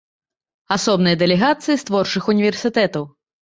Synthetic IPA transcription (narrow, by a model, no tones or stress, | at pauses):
asɔbnɨjɐd̪ɛlʲɛɣat̪sɨjist̪vɔrt͡ʂɨxunʲivʲɛrsʲit̪ɛt̪ɐw